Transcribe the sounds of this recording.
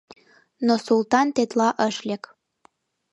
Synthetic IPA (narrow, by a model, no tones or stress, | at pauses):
nosult̪ɑnt̪et̪lɑʔəʃlʲek